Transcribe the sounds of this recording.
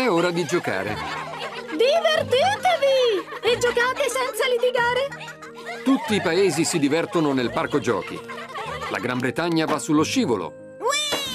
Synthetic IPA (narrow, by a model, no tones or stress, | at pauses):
ɛoːɾad̪id͡ʒoka̰ːɾḛ | d̪ivert̪iːt̪evied͡ʒokaːt̪esɛnt̪salit̪iɡaːɾe | t̪ut̪ːiːpaeːzisid̪ivɛrt̪ononelparkod͡ʒɔ̰ːkḭla̰ɡɾambɾet̪aɲːavasːulːoʃiːvo̰lo̰